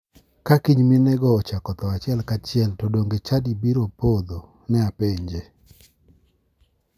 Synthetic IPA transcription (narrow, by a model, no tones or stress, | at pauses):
kakiɲminɛɡɔːt͡ʃakɔt̪ɔat͡ʃɪɛlkat͡ʃɪɛltodoŋɡet͡ʃadibiɾopod̪o | nɛapeɲd͡ʒe